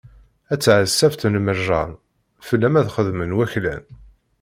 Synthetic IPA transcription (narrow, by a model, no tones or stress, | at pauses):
æt͡sːʕəsːæft̪nməʒɑ̰n | fəlːæmæðχəðmənwæçlæ̰n